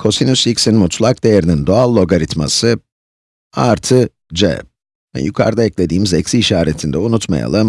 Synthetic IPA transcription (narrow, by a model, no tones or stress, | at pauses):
kʰo̞sinusicsinmut̪ʰlˠak̚d̪e̞jeɾinind̪oalˠːo̞ɡaɾit̪ma̰sɯ | aɾt̪ʰɯ | d͡ʒɛ̰ | vɛ̰jukʰa̰ɾd̪aɛclʲe̞d̪iːmzɛcsiːʃaːɾet̪ʰind̪ɛunut̪ma̰ja̰lˠɯm